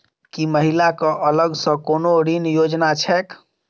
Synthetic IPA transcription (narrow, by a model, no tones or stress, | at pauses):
kiməɦilakə̃ʔələɡsə̃konoɾinjod͡ʒnat͡ʃʰɛk